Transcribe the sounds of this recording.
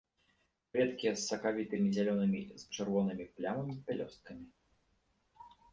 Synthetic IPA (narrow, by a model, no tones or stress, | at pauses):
vʲɛt̪kʲiɛsːɐkavʲit̪ɨmʲizʲalʲɔnɨmʲist͡ʂɨrvɔnɨmʲiplʲamɐmʲipʲɛlʲɔst̪̚kɐmʲi